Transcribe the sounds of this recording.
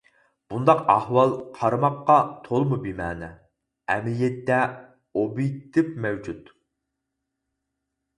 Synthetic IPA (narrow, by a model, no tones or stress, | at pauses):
b̥und̪ɑqɑhwɑlˠqʰɑɾɨmɑqːɑt̪ʰolˠmubimæ̰ːnɛ | ɛ̰mlijɛt̪ːɛ | obijt̪ːɪpmɛwd͡ʒut̪